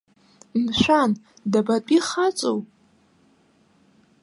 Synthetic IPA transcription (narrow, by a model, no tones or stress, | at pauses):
mʃʷan | dabapʼiχat͡sʼo̰wʼ